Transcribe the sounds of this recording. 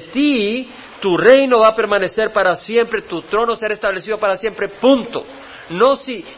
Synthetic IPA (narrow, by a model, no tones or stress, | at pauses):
t̪i | t̪ure̞jno̞βape̞ɾmane̞se̞ɾpaɾasje̞mpɾet̪ut̪ɾo̞noseɾest̪aβle̞siðo̞paɾasje̞mpɾe̞punt̪o̞̰ | no̞si